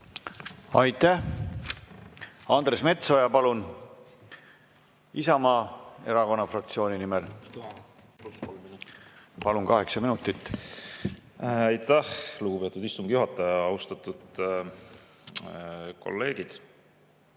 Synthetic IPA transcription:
ɑjt̪ːˑæh | ɑnd̪ɾe̞sme̞t̪so̞jɑpɑlun | isɑmɑːe̞ɾɑko̞nːɑfrɑk̚t̪sio̞ːnʲinimel | npɑlunkɑɦe̞ksɑminut̪ːˑit̪ːˑ | ɑjt̪ːæhluɡ̥upe̞t̪ːˑud̪ist̪uŋɡ̥ijuɦɑt̪ːˑɑjɑɑwst̪ɑt̪ːˑud̪̥ | ko̞̰lːe̞ːɡ̥id̪̥

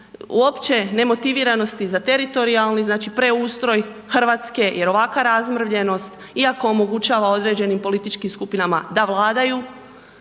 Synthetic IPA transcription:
ṵo̞pt͡ʃe̞ne̞mo̞t̪iʋiːɾano̞st̪izat̪e̞ɾit̪o̞ɾialˠniznaːt͡ʃipɾe̞uːst̪ɾo̞j | xr̩ʋaːt̪ske̞jʔe̞ɾo̞ʋakʋaɾazmr̩ʋʎe̞no̞st̪ | iako̞ːmo̞ɡut͡ʃaːʋao̞d̪ɾe̞ːd͡ʒe̞nimpo̞lit̪it͡ʃkimskupinama̰d̪aʋlˠaːd̪aju

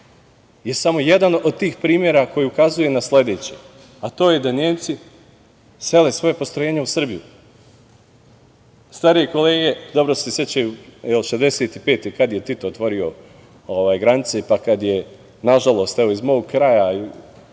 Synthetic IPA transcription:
je̞samo̞jed̪anod̪̚t̪iːxpɾiːmʲje̞ɾako̞jeukazuje̞nasle̞d̪e̞t͡ɕe | at̪o̞ːje̞d̪aneːmt̪si | se̞le̞sʋo̞jepost̪ɾo̞jeɲeusr̩biju | st̪aɾieko̞le̞ːɡe̞d̪o̞bɾosesjet͡ɕajujɛlʃezd̪eseːt̪ipe̞ːt̪ekad̪je̞t̪it̪oot̪ʋo̞ɾio̞ | oʋaːjɡɾanit̪sepakad̪je̞ | naʒalˠo̞st̪ɛʋo̞izmo̞ːɡkɾajai

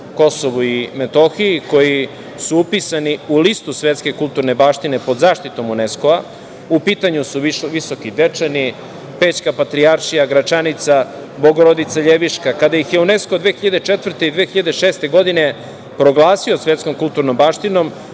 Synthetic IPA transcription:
ko̞soʋuimet̪o̞xiiko̞ji | suupisaniulist̪usʋet̪ske̞kulˠt̪uɾne̞baːʃt̪ine̞po̞d̪zaːʃt̪it̪o̞muneskoa | upiːt̪aɲusuʋiso̞kid̪et͡ʂani | peːt͡ɕkapat̪ɾiaɾʃijaɡɾat͡ʃanit̪sa | boɡoɾod̪it̪saʎeʋiʃkakad̪ajixjeuneskod̪ʋeːxiʎad̪et͡ʂet̪vr̩t̪e̞id̪ʋeːxiʎad̪eʃeːst̪e̞ɡo̞d̪ine̞ | pɾo̞ɡlˠaːsio̞sʋet̪sko̞mkulˠt̪uɾno̞mbaːʃt̪ino̞m

